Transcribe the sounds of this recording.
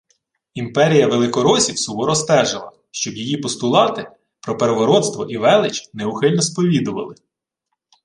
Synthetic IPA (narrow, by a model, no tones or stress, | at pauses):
impɛɾʲijɐʋelˠɪkɔɾɔsʲiwsʊɦɔɾɔst̪ɛʒɪlˠɐ̰ | ʃt͡ʃɔbjijipɔst̪ʊlˠɑt̪ɪ | pɾɔpeɾeʋɔɾɔt̪st̪ʋɔ̰ʔiʋɛlˠɪt͡ʃnɛʊxɪlʲnɔspɔʋʲid̪ʊʋɐ̰lˠɪ